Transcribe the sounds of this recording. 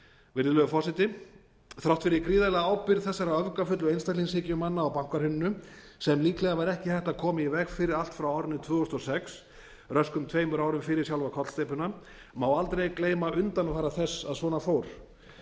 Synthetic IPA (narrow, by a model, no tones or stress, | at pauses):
vɪɾðʏlœɣʏfɔsɪt̪ɪ | θɾawht̪fɪɾɪkɾiːðalɛɣaaːwpɪɾθɛsːaɾaœvkafʏt̪lʏejnst̪alinshɪːcɪʏmanːaːwpaŋ̥kaɾhʏnːʏ | sɛmliːklɛɣavaɾɛhcɪθɛht̪akʰɔːmɪɪvɛɣfɪːɾɪɾal̥t̪fɾawɔɾnɪt̪ʰvʏːʏst̪ɔsɛks | rœskʏmt̪ʰveːjmʏɾawɾʏmfɪːɾɪɾsjawlvakʰɔt̪lst̪eːjpʏna | mawalt̪ɾejkleːjmaʔʏnt̪anfaːɾaθɛsːaðsvɔːnafoːwɾ̥